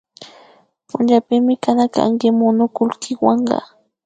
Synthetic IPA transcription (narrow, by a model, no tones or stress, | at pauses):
pʊnd͡ʒapɪmɪkanaka̰ŋkɪmʊnʊkʊlkʰɪwɑɴɢɑ̰